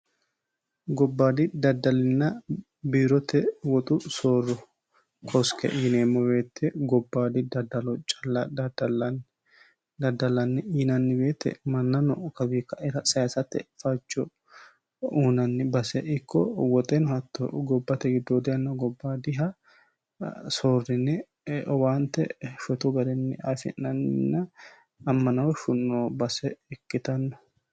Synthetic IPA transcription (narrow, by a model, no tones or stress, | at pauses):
ɡɔbːaːd̪ɪd̪ɐd̪ːɐlɪnːɐ | biːɾɔt̪ɛwɔt̪ʼʊsoːrːɔ | kʰɔskɛ̰ʔiːneːmːɔwe̞ːt̪ːɛɡɔbːaːd̪ɪd̪ɐd̪ɐlɔt͡ʃʼɐlɐ | d̪ɐd̪ːɐlɐnːɪiːnɐnːɪbe̞ːt̪ːɛ̰mɐnːɐnɔkɐbiːkːɐʔɪɾɐsɐjasɐt̪ːɛ̰fɐt͡ʃːɔ | uːnɐnːɪbɐsɛɪkːɔwɔt̪ʼɛnɔhɐt̪ːɔɡɔbːɐt̪ɛɡɪd̪ːoːd̪ɪjɐnːɔɡɔbːaːd̪ɪɦɐ | soːrːɪnːɛ | ɔwaːnt̪ɛ̰ʃʊt̪ɔɡɐd̪ɛnːɪafɪ̰nːɐnːɪnːɐ | ɐmːɐnɐwɔʃʊnːoːbɐsɛɛkːɪt̪ɐnːɔ